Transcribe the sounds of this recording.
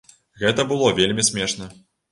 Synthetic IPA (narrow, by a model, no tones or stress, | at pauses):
ɣɛt̪ɐbɨlˠɔvʲelʲmʲisʲmʲɛʂnɐ